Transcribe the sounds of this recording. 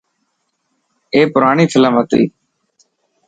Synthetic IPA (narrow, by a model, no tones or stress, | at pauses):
eːpʊɾaːɳiːfʰɪlãːmət̪ɾḭː